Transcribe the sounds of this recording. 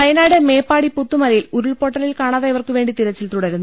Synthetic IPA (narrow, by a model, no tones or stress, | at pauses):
ɐjɐnaːɽeme̞ːpːaːɽiput̪ːumɐlɐjiluɾuɭpo̞ːʈːɐlilkaːɳaːðaːjiʋɐrkɨʋe̞ːɳɖit̪iɾɐt͡ɕːilt̪uɽɐɾunː